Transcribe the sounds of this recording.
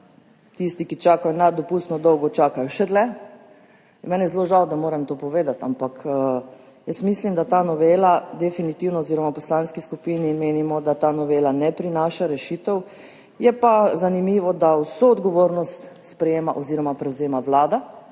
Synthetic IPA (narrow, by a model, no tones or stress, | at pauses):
t̪ist̪ikit͡ʃaːkajɔnad̪̚d̪ɔpust̪nɔd̪ɔwɡɔt͡ʃaːkajɔʃɛd̪lɛ | mɛnjɛzloʒawd̪amoːɾɛmt̪opɔʋeːd̪at̪a̰mpak | jəst̪mislimd̪at̪aːnɔʋeːlad̪ɛfinit̪iwnɔɔziɾɔmapɔslaːnskiskupiːnimeːnimɔd̪at̪aːnɔʋeːlanɛpɾinaːʃaɾɛʃit̪ɛw | jɛpazanimiʋɔd̪awsoɔd̪ɡɔʋoɾnɔst̪spɾɛjeːmaʔɔziːɾɔmapɾɛwzeːmaʋlaːd̪a